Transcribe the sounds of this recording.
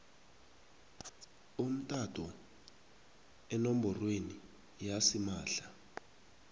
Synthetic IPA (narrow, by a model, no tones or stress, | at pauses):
um̩tʼatʰʼɔ | ɛnom̩bɔrweni | jasimaːɬa